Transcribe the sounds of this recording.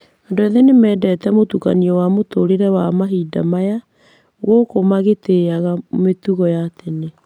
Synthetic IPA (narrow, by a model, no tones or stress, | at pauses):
ɔndoɛðɛnemɛːdɛːtɛmotuka̰niɔwamotoɾeɾɛwamaɦiːda̰maja | ɣokomaɣeteaɣametuɣɔjatene